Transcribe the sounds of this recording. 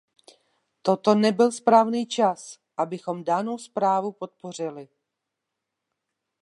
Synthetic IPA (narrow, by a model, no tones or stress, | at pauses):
t̪o̞t̪o̞nɛbɪlspɾaːvniːt͡ʃas | ʔabɪxo̞mdano̞wspɾaːvupo̞t̪̚po̞r̝ɪlɪ